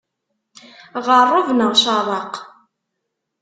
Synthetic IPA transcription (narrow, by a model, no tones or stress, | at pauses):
ʁərˤːʊvnəʁʃɑðˤɑq